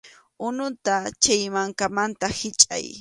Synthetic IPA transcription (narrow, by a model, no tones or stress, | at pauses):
ʊnʊt̪at͡ʃajmaŋkamant̪ahɪt͡ʃʼa̰j